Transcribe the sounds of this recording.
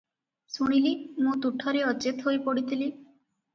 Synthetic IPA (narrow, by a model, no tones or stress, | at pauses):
suɽ̃ilimũt̪uʈʰɔɾeɔt͡ʃet̪ɦojpɔɽit̪ʰili